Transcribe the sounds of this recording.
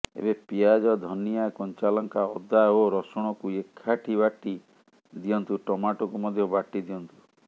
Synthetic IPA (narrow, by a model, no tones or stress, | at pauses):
ḛbepiad͡ʒɔd̪ʱɔnijakɔɲt͡ʃalɔŋkaɔd̪ːaoɾɔsɔɽ̃ɔkuekʰːaʈʰibaʈi | d̪ijɔnt̪uʈɔmaʈɔkumɔd̪ʱjɔbaʈid̪ijɔnt̪u